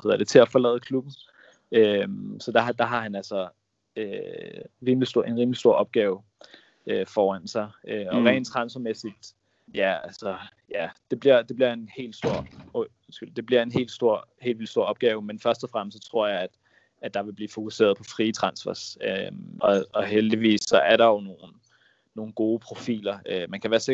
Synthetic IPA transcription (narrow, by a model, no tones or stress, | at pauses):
heðˠɐd̥e̝t͡sʰe̝læfɒ̽lɛ̰ːð̞̩ˠkʰlub̥n̩ | ømsɒ̽d̥ɑ̈d̥ɑ̈ɦɑ̈ɦænælsɒ | ø | ʁiːmlisd̥o̝̰ʔe̝nʁiːmlisd̥o̝ɐ̰ɒ̽b̥̚ɡ̥ɛːʊ | ʔøfɒːænsɑ̈ɪʔøɒ̽ʁɛ̰ɪ̰ːnt͡sʰʁɑ̈nsɐmesid̥ | jæælsɒjæd̥e̝b̥liɐ̰d̥e̝b̥liɐe̝nhe̝̰ːld̥sd̥o̝ɐ̰ | sɡ̥yld̥e̝bliɐe̝nɦe̝̰ːld̥sd̥o̝ɐ̰he̝̰ːldʋil̥sd̥o̝ɐ̰ɒ̽b̥̚ɡ̥ɛːʊmenfɶɐsd̥ɒfʁam̰sɒt͡sʰʁo̝ɐ̰jɑ̈ɪæd̥ | æd̥ɑ̈ʋe̝b̥liːfo̝kuse̝̰ːɐð̞̩ˠpʰɒ̽fʁiːt͡sʰʁɑ̈nsfæsøʔɒɒ̽ɦeld̥iʋḭːsːɒ̽æɐɾ̥ɑ̈jo̝no̝ːnː | o̝ːn̩ɡ̥o̝ːpʰʁo̝fḭːlɐømænkʰæʋæːɐse